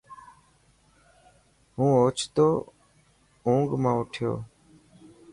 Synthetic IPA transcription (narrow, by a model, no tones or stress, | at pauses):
ɦũːoːt͡ʃʰt̪oː | ũːŋɡmãːʊʈʰɪjo̰ː